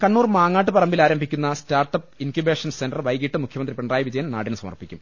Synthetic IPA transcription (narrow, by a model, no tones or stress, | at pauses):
kɐɳːuːrmaːŋːaːʈːɨpɐrɐmbilaːɾɐmbʱikʲːunːɐstaːrʈːɐp̚inkube̞ːʂɐnsenɖɐrʋɐjɡiʈːɨmukʰjɐmɐnd̪ripeɳɖraːjɐʋid͡ʑɐjɐmna̰ːɽinɨsɐmɐ̰rpikʲːum